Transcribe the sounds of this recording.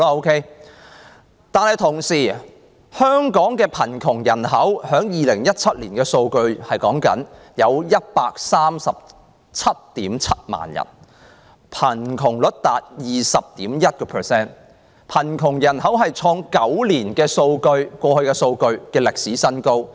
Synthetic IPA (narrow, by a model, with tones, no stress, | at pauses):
o˥wkʰe˥ | t̪aː˨nhɐ˨jt̪ʰʊ˨˩ŋsiː˨˩ | hœː˥ŋkɔː˨˥ŋkɛː˧pʰɐ˨˩nkʰʊ˨˩ŋjɐ˨˩nɦɐ˨˥whœː˨˥ŋjiː˨lɪ˨˩ŋjɐ˥t̚t͡sʰɐ˥t̚lḭː˨˩nkɛː˧so˧wkɵ˧ɥhɐ˨jkɔ̰ː˨˥ŋkɐ̰˨˥n | jɐ˨˧wjɐ˥t̚paː˧k̚saː˥msɐ˨p̚ | t͡sʰɐ˥t̚t̪iː˨˥mt͡sʰɐ˥t̚ma̰ː˨njɐ̰˨˩n | pʰɐ˨˩nkʰʊ˨˩ŋlɵ˨˥t̚t̪aː˨t̚jiː˨˩sɐ˨p̚t̪iː˨˥mjɐ˥t̚kɔː˧pʰəː˨˩sɛː˥n | pʰɐ˨˩nkʰʊ˨˩ŋjɐ˨˩nɦɐ˨˥wɦɐ˨jt͡ʃʰɔː˧ŋkɐ˨˥wliː˨˩nkɛː˧so˧wkɵ˧ɥkʷɔː˧hɵ˧ɥkɛː˧so˧wkɵ˧ɥkɛː˧lɪ˨k̚siː˨˥sɐ˥nko˥w